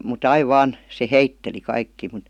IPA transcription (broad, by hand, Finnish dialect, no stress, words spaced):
mut ɑiʋ ʋɑːn se heitːeli kɑikːiː mut